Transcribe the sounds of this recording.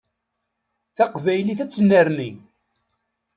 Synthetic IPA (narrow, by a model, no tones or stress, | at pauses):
θæqvæjliθæt͡sːənːəɾni